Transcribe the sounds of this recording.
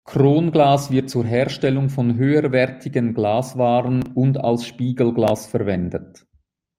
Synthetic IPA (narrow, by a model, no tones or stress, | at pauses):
kʁoːnɡlaːsv̥ɪɐt̚t͡suːɐɦɛːɐʃtɛlʊŋfɔnɦøːəɾvɛʁtʰɪɡənɡlaːsvaːʁənʊnda̰lsʃpiːɡəl̩ɡlaːsfɛɐʁvɛndət